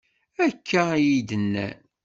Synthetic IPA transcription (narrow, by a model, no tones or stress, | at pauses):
ækʰːæjid̪ənːæ̰